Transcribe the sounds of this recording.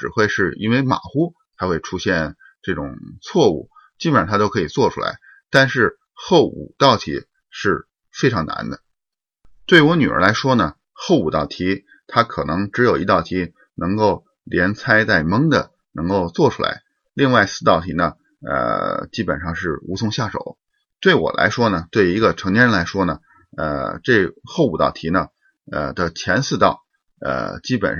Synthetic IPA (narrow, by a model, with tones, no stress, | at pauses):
ʈ͡ʂɻ̩˨˩xwe˥˧ɪʂɻ̩˥˩ḭ˥nwe˥˧˩ɪma̰˨˩xu˥ | t̪ʰa˥xwe˥˩ɪʈ͡ʂʰu˥ɕjɛ˥˧n | ʈ͡ʂɤ˥˩ʈ͡ʂʊ̰˨˩ŋt͡sʰwɔ˥˧ṵ˥˩ | t͡ɕi˥pə˨nɻʰa˥o˥kʰɤ˧˥i˨˩t͡swɔ˥˩ʈ͡ʂʰu˥la̰˧˥ɪ | t̪a˥˧nʂɻ̩˥˧ | xo˥˩ʊṵ˨˩t̪ɑ˥˩ʊt̪ʰḭ˧˥ | ʂɻ̩˥˩ | fe˥ɪʈ͡ʂʰɑ˧˥ŋna̰˧˥nd̪ə˧ | t̪we˥˩ɪy˥wɔ˧˥ny˨˩ə̰˞˧˥la˧˥ɪʂwɔ˥nə˨ | xo˥˩ʊu˨˩t̪ɑ˥˩ʊt̪ʰi˧˥ | t̪ʰa˥kʰɤ˨˩nɤ˧˥ŋʈ͡ʂɻ̩˧˥jo˨˩ʊi˧˥t̪ɑ˥˩ʊt̪ʰi˧˥ | nɤ˧˥ŋko˥˩ʊ | ljɛ˧˥nt͡sʰa˥ɪt͡sa˥˩ɪmɤ˥ŋd̪ə˨ | nɤ˧˥ŋko˥˧ʊt͡swɔ˥˩ʈ͡ʂʰu˥la̰˧˥ɪ | li˥˧ŋwa˥˧ɪsɹ̩˥˧t̪ɑ˥˩ʊt̪ʰi˧˥nə˧ | ə̰˧˩t͡ɕi˥pə˨˩nʂɑ˥˧ŋʂɻ̩˥˩u˧˥sʰʊ˥˧ŋɕja˥˩ʂo̰˨˩˦ʊ | t̪we˥˩ɪwɔ̰˨˩lʔa̰˧˥ɪʂwɔ˥nə˨t̪we˥˩ɪi˧˥ɡə˧ʈ͡ʂʰɤ˧˥ŋjɛ˥ɻə˥la˧˥ɪʂwɔ˥nə˩ | ə̰˧ʈ͡ʂe˥˧˩xo˥˩ʊu˨˩t̪ɑ̰˥˩ʊt̪ʰi˧˥nə˧ | ə̰˧˩d̪ə˨t͡ɕʰjɛ˧˥nsɹ̩˥˧t̪ɑ˥˩ʊ | ə̰˧˩t͡ɕi˥pə̰˨˩n˥